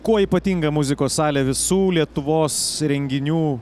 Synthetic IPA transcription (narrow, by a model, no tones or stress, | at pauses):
kuɔiːpɐt̪ʲiːŋɡɐmʊzʲɪkoːssɑːlʲɛːʋʲɪsuːlʲiɛt̪ʊʋoːsɾʲɛŋʲɡʲɪnʲuː